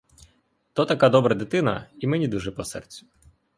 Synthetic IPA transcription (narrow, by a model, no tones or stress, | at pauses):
t̪ɔt̪ɐkad̪ɔbɾɐd̪ɪt̪ɪnɐimɛnʲid̪uʒɛpɔsɛ̰rt͡sʲʊ̥